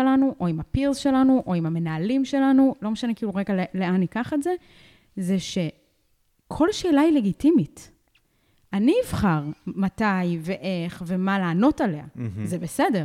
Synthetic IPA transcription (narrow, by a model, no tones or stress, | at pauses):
elanuʔo̞imapiʁzʃe̞lanuʔo̞imhame̞naːlimʃe̞lanulo̞meʃanekiːluʁeɡalele̞anikaχetze̞ | ze̞ʃe̞ | kʰo̞lʃeːlaile̞ɡitimit | aniːvχaʁmatajve̞ʔe̞χve̞malaːno̞tale̞a̰zebesede̞ʁ